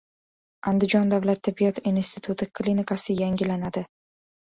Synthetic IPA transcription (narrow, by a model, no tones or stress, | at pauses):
ʔand̪ɪd͡ʒɒnd̪avlat̪ʰːɪbːijɒt̪inst̪ʰɪt̪ʰut̪ʰɪkʰlʲinɪkʰasɪjaŋɡʲɪlanad̪ɪ